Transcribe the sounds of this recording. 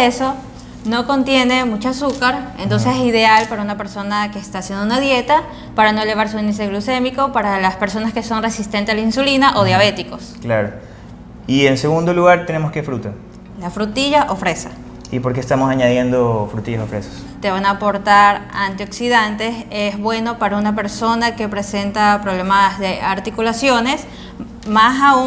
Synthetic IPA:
eso̞ | no̞ko̞nt̪je̞ne̞mut͡ʃoasukaɾent̪o̞nseseiðe̞alpaɾaunape̞ɾso̞nakeːst̪aːsje̞nd̪ounaðje̞t̪a | paɾano̞ele̞β̞aɾsuind̪is̬eɣluse̞miko̞paɾalaspe̞ɾso̞naske̞so̞nre̞sist̪e̞nt̪esalainsulinaʔo̞ð̞jaβ̞e̞t̪iko̞sklaɾo | ienseɣund̪oluɣaɾt̪enemoskefɾut̪o | lafɾut̪iʝaʔofɾesa | ipoɾk̬est̪amosaɲaðje̞nd̪ofɾut̪iʝasofɾeso̥s | t̪e̞βanaːpo̞ɾt̪aɾant̪io̞ksiðant̪e̞sezβwe̞no̞paɾaunape̞ɾso̞nake̞pɾe̞se̞nt̪apɾo̞β̞le̞mazðeaɾt̪ikulasjo̞ne̞s | masau

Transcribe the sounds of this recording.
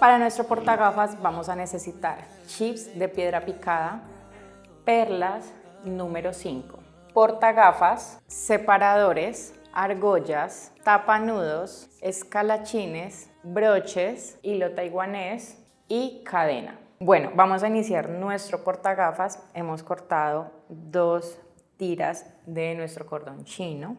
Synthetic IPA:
paɾanwe̞st̪ɾopo̞ɾt̪aɣafazbamosane̞sesit̪aɾ | t͡ʃifsd̪e̞pje̞ðɾapikaða | peɾlas | nũme̞ɾo̞siŋko̞ | po̞ɾt̪aɣafasːe̞paɾaðo̞ɾe̞s | aɾɣo̞ʝast̪apanuðo̞seskalat͡ʃines | bɾo̞t͡ʃesilo̞t̪ajɣwanes | ikʰaðe̞̰na̰bwe̞no̞̰bamo̞s̬ainisjaɾnwe̞st̪ɾopo̞ɾt̪aɣafase̞mo̞sko̞ɾt̪aðod̪o̞s | t̪iɾa̰zd̪enwe̞st̪ɾo̞ko̞ɾd̪o̞nt͡ʃino̞

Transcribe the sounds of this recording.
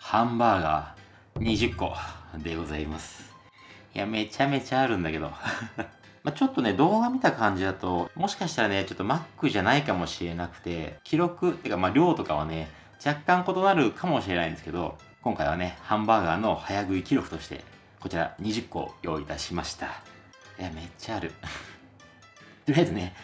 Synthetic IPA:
hãmbaːɡa̰ː | ɲ̟iʑɨkːo̞̰d̪e̞ɡo̞zaimasɨ̥ | ja̰me̞t͡ɕame̞t͡ɕaːɾɯ̟̃nd̪ake̞d̪o̞̰ | mat͡ɕo̞t̪ːo̞ne̞d̪o̞ːɡamʲit̪akãɲ̟d͡ʑid̪at̪o̞mo̞ɕi̥kaɕi̥t̪aɾane̞t͡ɕo̞t̪ːo̞makːɯ̟ʑanaikamo̞ɕiɾe̞nakɯ̟̥t̪e̞kʲiɾo̞kɯ̟t̪ːeikamaɾʲo̞ːt̪o̞kaβ̞a̰ne̞ | d͡ʑakːãŋko̞t̪o̞naɾɯ̟kʰamo̞ɕiɾe̞naĩnd̪sɨ̥ked̪o̞̰ | kõ̞ŋkaiβa̰ne̞hãmbaːɡaːno̞hajaɡɯ̟ikʲiɾo̞kɯ̟t̪o̞ɕi̥t̪e̞̰ | ko̞t͡ɕiɾa̰ɲ̟iʑɨkːo̞̰jo̞ːit̪aɕimaɕi̥t̪ḁ | jame̞t͡ɕaɾɯ̟ | t̪eɾiaezone̞

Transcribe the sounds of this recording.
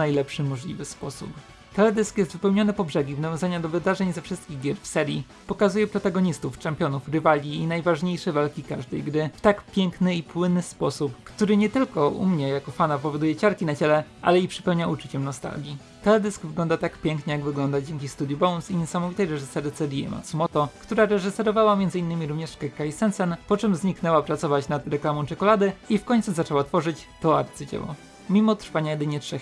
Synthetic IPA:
ajlɛpʂɘmɔʐlʲivɘspɔsṵp | t̪ɛlɛd̪ɘskjɛst̪vɘpɛwɲɔnɘpɔbʐɛɡʲivnavʲjɔ̃zaɲad̪ɔvɘd̪aʐɛɲzɛfʂɘst̪̚kʲiɣɡʲjɛɾfsɛɾʲji | pɔkazujɛpɾɔt̪aɡɔɲist̪uft͡ʂɛmpʲjɔnufɾɘvalʲiinajvaʐɲejʂɛvalkʲikaʐd̪ɛjɡɾɘft̪akpʲjɛŋknɘipwɘnːɘspɔsupkt̪uɾɘɲɛt̪ɘlkɔʔṵmɲɛjakɔfanapɔvɔd̪ujɛt͡ɕaɾkʲinat͡ɕɛlɛʔa̰lɛipʂɘ̥pɛwɲaut͡ʂut͡ɕɛmnɔst̪a̰lɡʲi | t̪ɛlɛd̪ɘsɡvɘɡlɔnd̪at̪akpʲjɛŋkɲɛjaɡvɘɡlɔnd̪ad͡ʑeŋʲkʲifst̪ud̪jubɔw̃nsiɲɛsamɔvit̪ɛjɾɛʐɘsɛɾt̪sɛɾʲiɛ̰ma̰sumɔt̪ɔkt̪uɾaɾɛʐɘsɛɾɔvawamʲjɛnzɘinːɘmʲiɾumɲɛʂkɛkːajisɛnsɛnpɔt͡ʂɛmzɲiknɛwapɾat̪sɔvat͡ɕnat̪ɾɛklamɔ̃t͡ʂɛkɔlad̪ɘifkɔɲʲt̪suzat͡ʂɛwat̪fɔʐɘt͡ɕt̪ɔa̰ɾt̪sɘd͡ʑɛ̰wɔ̰ | mʲimɔt̪ɾfaɲajɛd̪ɘɲɛtʂɛx

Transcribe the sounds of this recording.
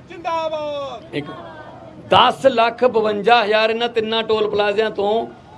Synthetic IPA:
ek | d̪aːslakʰbɪʋɐɲd͡ʑaːɦjaːɾɪnɐt̪ɪnːãːʈoːlpɐlaːzijãːt̪õː

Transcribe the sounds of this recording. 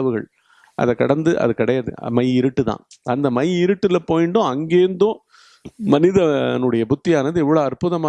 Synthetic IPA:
ɐʋɯɣɐɭ | ʔɐ̰ðɐkːɐɽɐnd̪ɯʔɐ̰ðɯkɐɽɐjaːðɯ̰mɐɪɪɾɯʈːɯt̪ã̰ːɐnd̪ɐmɐjɪɾɯʈːɯlɐpoːjɪɳɖõːɐŋɡeːnd̪õː | mɐnɪðɐnɯɽɐjɐbʊt̪ːɪjaːnɐðɯɛʋːɐɭoːɐɾpʊðɐmaː

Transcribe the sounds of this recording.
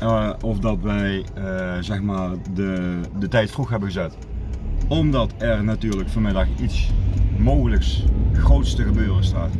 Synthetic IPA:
ɔfdɑtʋɛjəzɛxmaːrdədətɛjtfruxɦɛbəɣəzɛt | ɔmdɑtɛrnatyːɹləkfoːnmɪdɑxitsmowɣələksxrowtstəɣəbøːrəstaːt

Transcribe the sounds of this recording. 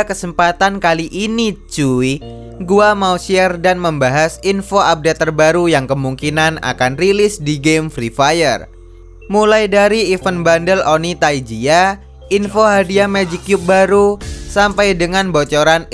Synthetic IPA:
kəsəmpat̪ankaliʔinit͡ʃui | ɡuamausiɛrdanməmbaɦasinfoap̚dat̪ːərbaɾujaŋkəmuŋkinana̰kanrilɪsdiɡemfɾifajər | mulajdaɾiːfənbandəlonit̪aid͡ʒia | infoɦadiamɛd͡ʒikjup̚baɾusampajdəŋanbot͡ʃoɾan

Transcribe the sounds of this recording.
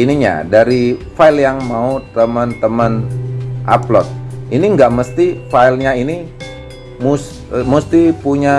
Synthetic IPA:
iniɲa̰daɾifailjaŋmaut̪əmənt̪əmənʔa̰plɔt̪̚iniəŋɡaʔməst̪ifailɲaini | mus | must̪ipuɲa

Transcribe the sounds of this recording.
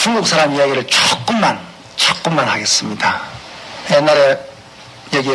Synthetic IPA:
t͡ɕuŋɡuk̚s͈ʰaɾamijaɡiɾɯɭt͡ɕʌk͈̚ɯmːan | t͡ɕʌk͈ɯmːanhaɡe̞s͈ɯmɲida | jenːaɾe | jeɡi

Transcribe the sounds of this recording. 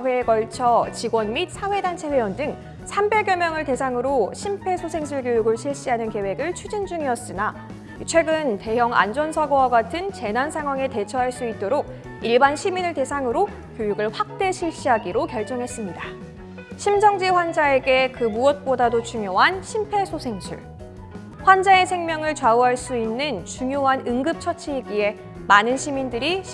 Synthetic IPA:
we̞ːkʌɭt͡ɕʰʌt͡ɕiɡwʌnmit̚sʰawe̞dant͡ɕʰe̞ɸwe̞jwʌndɯŋ | sʰambe̞ɡjʌmjʌŋɯɭte̞sʰaŋɯɾoɕʰimpʰe̞sʰosʰe̞ŋsʰɯɭɡjojuɡɯɭɕʰiɭɕ͈iɦanɯnke̞we̞ɡɯɭt͡ɕʰud͡ʑind͡ʑuŋiʌs͈ina | it͡ɕʰwe̞ɡɯnte̞jʌŋa̰nd͡ʑʌnsʰaɡowaɡatʰɯnt͡ɕe̞nansʰaŋɦwaŋe̞te̞t͡ɕʰʌɦaɭs͈uit̚t͈oɾoɡ̚ | iɭbanɕʰiminɯɭte̞sʰaŋɯɾo | kjojuɡɯɭɸwak̚t͈e̞ɕʰiɭɕ͈iɦaɡiɾokjʌɭt͡ɕ͈ʌŋɦe̞s͈ɯmɲida | ɕʰimd͡ʑʌŋd͡ʑiɸwand͡ʑae̞ɡe̞kɯmuʌt̚p͈odadot͡ɕuŋjoɦanɕʰimpʰe̞sʰosʰe̞ŋɕʰṵɭ | ɸwand͡ʑae̞sʰe̞ŋmjʌŋɯɭt͡ɕwauɦaɭs͈uinːɯnt͡ɕuŋjoɦanɯŋɡɯp̚t͡ɕʰʌt͡ɕʰiiɡie̞ | manɯnɕʰimindɯɾiɕ

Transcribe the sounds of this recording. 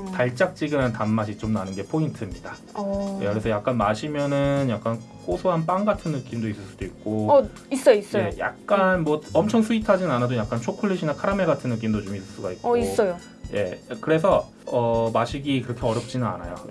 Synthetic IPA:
taɭt͡ɕ͈ak̚t͡ɕ͈iɡɯnantamːaɕʰit͡ɕomnanɯnɡe̞pʰointʰɯmɲida̰ | kɯɾe̞sʰʌjak̚k͈anmaɕʰimjʌnɯnjak̚k͈an | k͈osʰoɦanp͈aŋɡatʰɯnːɯk͈imdois͈ɯɭs͈ud̥oik̚k͈o | is͈ʌjois͈ʌe̞ja̰k̚k͈anmwʌʌmt͡ɕʰʌŋsʰuitʰad͡ʑinɯnanadojak͈ant͡ɕʰokʰuɭːiɕʰinakʰaɾame̞ɡatʰɯnːɯk͈imdot͡ɕomis͈ɯɭs͈uɡaik̚kis͈ʌjo | je̞kɯɾe̞s̬ʰʌ | ʌmaɕʰiɡikɯɾʌkʰe̞ʌɾjʌp̚t͡ɕ͈inɯna̰na̰jo

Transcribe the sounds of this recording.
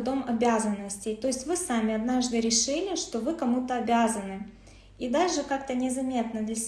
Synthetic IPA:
d̪omɐbʲazənːəsʲtʲɪjt̪o̞jɪsʲtʲvɨsamʲɪɐd̪naʐd̪ɨɾʲɪʂɨlʲɪʂt̪o̞vɨkɐmut̪əɐbʲazənɨ | id̪aʐɨkakt̪ənʲɪzɐmʲe̞t̪nəd̪lʲɐsʲ

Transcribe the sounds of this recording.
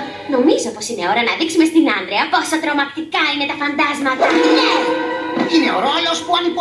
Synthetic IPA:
no̞mizo̞po̞sine̞o̞ɾɐnɐðiksume̞st̪inɐnd̪ɾeɐposɐt̪ɾo̞mɐkt̪ikɐine̞t̪ɐfɐnd̪ɐzmɐðumt̪ine | ine̞o̞ɾo̞lo̞spuɐnip

